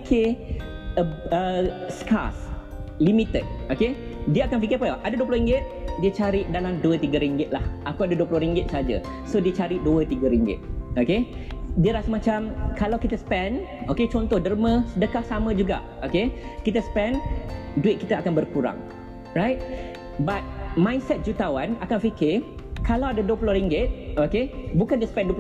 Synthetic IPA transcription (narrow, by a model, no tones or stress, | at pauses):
kʰe | əəska̰s | limit̪ət̪̚oke | diəakanfikəpəʔadaduəpulʊhɾiŋɡɪt̪̚diət͡ʃaɾidalamduət̪iɡəɾiŋɡɪt̪̚lahʔakuadaduəpulʊɾiŋɡɪt̪̚səɦad͡ʒa̰ | sodiət͡ʃaɾiduət̪iɡəɾiŋɡɪ̰t̪̚okediəɾasəmãt͡ʃamkalawkit̪əsə̥pɛnoket͡ʃɔnt̪ɔhdərmə̃sədəkahsamə̃d͡ʒuɡa̰ʔokekit̪əsə̥pɛnduɪt̪̚kit̪əakanbərkuɾa̰ŋ | rajt̪̚ | bat̪̚mãjnsɛt̪̚d͡ʒut̪awanakanfikɪ | kalawadaduəpulʊɾiŋɡɪt̪̚okebukandiəsə̥pɛnduəp